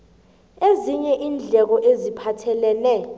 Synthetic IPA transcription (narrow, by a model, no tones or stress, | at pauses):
eziɲɛʔiːnd͡ɮʱɛk̬ɔʔezipʰatʰɛlɛːnɛ